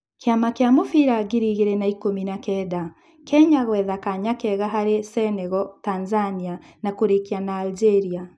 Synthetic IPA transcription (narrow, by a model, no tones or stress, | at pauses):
keamakeamofiɾaɣiɾiɣeɾɛnaikominakɛda | kɛɲaɣwɛðakaɲakɛɣaɦaɾesɛnɛɣɔtanzania | nakoɾekianaːld͡ʒɛɾia